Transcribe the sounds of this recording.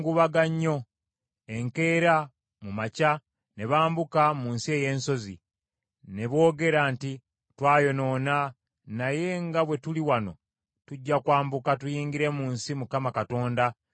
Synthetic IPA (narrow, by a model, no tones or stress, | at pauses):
ɡuβaɡaɲːo̞ | e̞ŋke̞ːɾa | mumaca | ne̞βaːmbukamuːnsie̞ːje̞ːnso̞zḭ | ne̞βo̞ːɡe̞ɾanti | twaːjo̞no̞ːna | naje̞ŋɡaβwe̞tuliwano̞ | tuɟːakwaːmbukatujiːŋɡiɾe̞muːnsimukamakato̞ːnda